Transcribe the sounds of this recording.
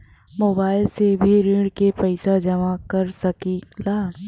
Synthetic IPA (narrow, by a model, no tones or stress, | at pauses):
moːbaːɪlsebʱiɾiɽkepɛɪsad͡ʒɐmakɐɾsɐkilaː